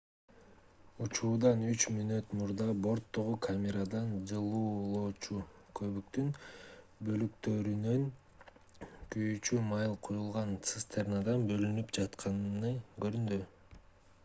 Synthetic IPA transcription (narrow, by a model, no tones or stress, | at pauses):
ut͡ʃuːd̪ɑnyt͡ʃmynøt̪muɾd̪ɑbo̞ɾt̪ːo̞ʁukʰamʲeɾad̪ɑnd͡ʒɯlˠuːlˠoːt͡ʃukʰø̞βykt̪yn | bø̞lykt̪ø̞ɾynøŋ | kyjyt͡ʃymɑjlˠqʰojulˠʁɑnt̪sɨst̪ʰernad̪ɑnbø̞lynypd͡ʒɑt̪qʰɑnɯnɯɡø̞ɾynd̪y